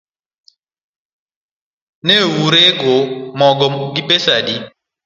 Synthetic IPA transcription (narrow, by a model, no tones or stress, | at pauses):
newuɾeɡomɔɡɔɡipesadi